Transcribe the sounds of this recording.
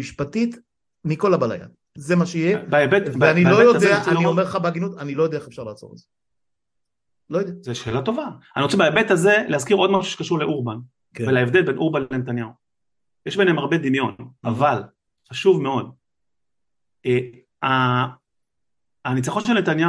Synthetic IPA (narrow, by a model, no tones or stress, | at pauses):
iʃpatit̪ | miko̞labala̰ja̰ | zemaʃeijebaebet̪beanilojod̪eaanio̞me̞lχabeaɡinut̪anilojod̪eaeefʃaʁlaːt͡so̞ʁḛz̥e | lo̞jodeazeʃeːlat̪o̞vaaniʁot͡sebaebet̪aze̞leazkiʁo̞dmaʃuʃe̥kaʃuʁleʔuʁban | kvelaevd̪elbenʔuʁbanllenet̪anjau | jeʃbe̞nemaʁbed̪imjo̞naval | χaʃuvmeo̞d̪̚ | e | a | nit͡saχo̞nʃelnet̪anja